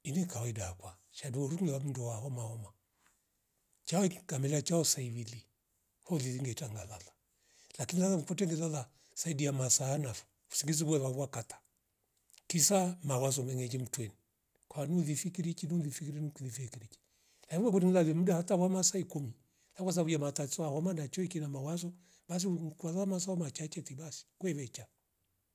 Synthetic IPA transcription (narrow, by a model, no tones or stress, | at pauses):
inɛkawɔidakwa | ʃaduɔɾuŋɡɛwam̩nduwaɦɔmaɔma | t͡ʃaɔikamɛlat͡ʃaɔsaiβili | hɔliðiŋɡɛitaŋɡalala | lakinilalamkɔtɛŋɡɛlaða | saidiamasaːnafu̥ | u̥siŋɡiz̬iβɛβaβwakatḁ | kisamawazɔmɛŋɛd͡ʒim̩twɛni | kwanuðifikiɾit͡ʃinuðifikiɾinukiðifikiɾit͡ʃi̥ | laiwɛkutiŋilaðiɛm̩dahatawamasaikumi | lakwas̬aβujamatasɔahamanat͡ʃɔikinamawazɔ | ɓas̬ikaðamasaɔmat͡ʃat͡ʃɛtiɓasi̥kwɛβɛt͡ʃa